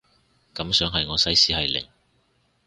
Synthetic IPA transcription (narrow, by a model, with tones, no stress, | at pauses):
kɐ˨˥msœː˨˥ŋɦɐ˨jŋɔː˨˧sɐ˥jsiː˨˥hɐ˨jlɪ̰˨˩ŋ